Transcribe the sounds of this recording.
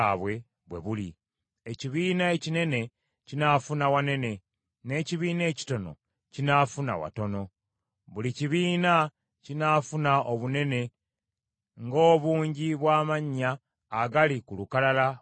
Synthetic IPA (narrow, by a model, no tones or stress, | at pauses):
βwe̞ | βwe̞̰βulḭ | eciβiːnae̞cine̞ne̞ | cinafunawane̞ne̞ | ne̞ciβiːne̞ːci̥to̞no̞̰ | cinafuna̰wa̰to̞no̞ | βuliciβiːna | cinafunaʔoβune̞ne̞ | ŋɡo̞ːβuːɲɟiβwaːmaɲːaː | ɡalikulukalala